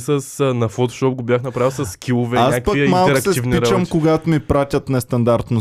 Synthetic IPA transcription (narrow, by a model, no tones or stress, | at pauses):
sɐsnɐfɔt̪o̥ʃɔp̚ɡobʲjaxnɐpɾaviɛlˠsɐsːkʰʲilˠovɛɲasakkpɐimalˠkɾksɛivniɾt͡ʃɐmkoɡat̪mipɾat̪ʲɐt̪nɛst̪ɐnd̪aɾt̪no